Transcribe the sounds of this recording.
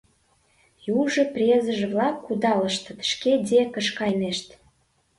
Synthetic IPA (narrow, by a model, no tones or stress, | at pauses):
juʒə̆prʲezə̆ʒə̆βlɑkːud̪ɑlə̆ʃt̪ə̆t̪ʃked̪ʲekə̆ʃkɑjneʃt̪